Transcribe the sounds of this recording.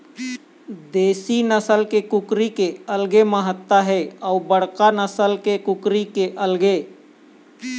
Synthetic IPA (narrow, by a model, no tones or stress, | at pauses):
d̪eːsinəsəlkekʊkɾikeəlɡeməɦət̪ːaɦɛɔːbəɽ̤kanəsəlkekʊkɾikeʔəlɡe